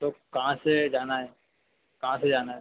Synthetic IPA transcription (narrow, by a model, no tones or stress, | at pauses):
t̪okɐɦãsed͡ʒaːnaɦɛː | kɐɦãsed͡ʒaːnaɦɛ